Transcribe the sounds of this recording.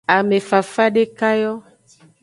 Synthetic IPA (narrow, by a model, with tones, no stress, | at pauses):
a˨me˨fa˨fa˦ɖe˦ka˦jɔ˦